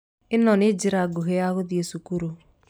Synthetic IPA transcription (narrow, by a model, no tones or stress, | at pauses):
enɔned͡ʒiɾaɡoɦejaɣoðjesukuɾo